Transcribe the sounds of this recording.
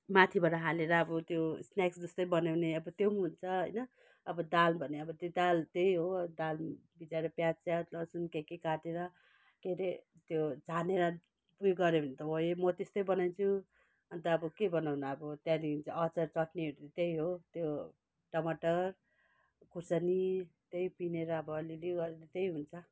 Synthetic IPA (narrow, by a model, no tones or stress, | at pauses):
mat̪ʰibaʈaɦaleɾʌːbʌt̪josnaksd͡zʌst̪ʌjbʌnawneʌbʌt̪jomɦunt͡sʰʌɦʌjnʌː | bʌd̪albʱʌneʌbʌt̪od̪alt̪ejɦod̪al | bid͡zaɾʌpjãt͡sjalʌsunkekekaʈeɾʌ | keɾe | t̪jod͡zʱaneɾʌ | pujɡʌɾebʱʌnet̪ʌɦojemʌt̪est̪ʌjbʌnajnt͡sʰu | ʌnt̪ʌːbʌkebʱʌnawnaʌbʌt̪jãniɦunt͡sʰʌʌt͡sʌrt͡sʌʈniʌɾt̪ejɦot̪jo | ʈʌmaʈʌr | kʰusʌnit̪ejpineɾʌːbʌːliliɡʌɾeɾʌt̪ejɦunt͡sʰʌ